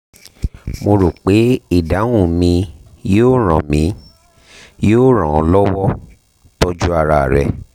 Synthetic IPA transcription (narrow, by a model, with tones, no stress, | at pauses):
mo˧ɾo˨k͡pe˨˦i˦˨da˨˦wũ˦˨mĩ˧ | joː˦˨ɾ̃ã˨mĩ˨˧˦ | joː˦˨ɾ̃ã˨ɔ˧lɔ˦wɔ˦ | to˦d͡ʒu˦a˧ɾa˧˨ɾɛ̰˨